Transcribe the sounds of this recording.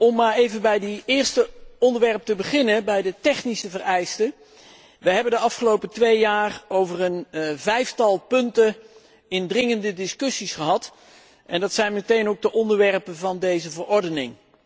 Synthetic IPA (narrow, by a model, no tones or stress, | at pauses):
ɔmːaːɹejvənbɛjdəɪːɹstəɔndəɹʋɛɹp̚təbəχɪnəbɛjdətɛχnisəvərɛjstə | ʋəɦɛbəndəɑfχəlowpətʋejːaːrowvərənvɛjftɑlˠpɵntə | ɪndrɪŋəndədɪskɵsisχəɦɑt | ʔɛndɑtsɛjnmətejnowɡ̚dəʔɔndəɹʋɛrpəvɑndejzəvərɔɹdənɪŋ